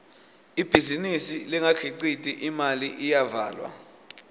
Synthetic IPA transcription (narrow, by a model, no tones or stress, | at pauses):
ib̥ʱizinisiliŋakʰiǃitʼiʔimaliʔijavaːlwa̰